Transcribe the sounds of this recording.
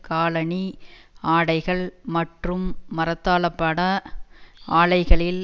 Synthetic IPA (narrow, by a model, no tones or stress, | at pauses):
kaːlɐɳiaːɽɐɪɣɐɭmɐʈrɯmːɐɾɐt̪ːaːɭɐpːɐɽɐ | ʔaːɭɐɪɣɐɭɪl